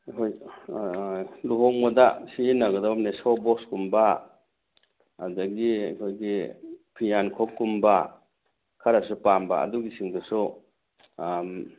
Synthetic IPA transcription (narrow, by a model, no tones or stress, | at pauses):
kʰɔj | luɦɔŋmɔdasinaɡɯdap̚nesɔwbɔkskumba | adaɡikʰɔjɡipʰijankʰɔkːumba | kʰaɾasupamba̰a̰duɡisiŋdɯsu | m